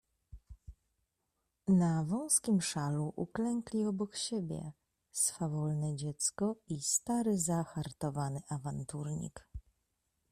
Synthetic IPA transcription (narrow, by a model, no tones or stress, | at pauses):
navɔ̃w̃skʲimʂaluʔuklɛŋklʲiɔbɔkɕebʲjɛ̰ | sfavɔlnɛd͡ʑɛt̪skɔist̪aɾɘzaxaɾt̪ɔvanɘʔavant̪uɾɲḭk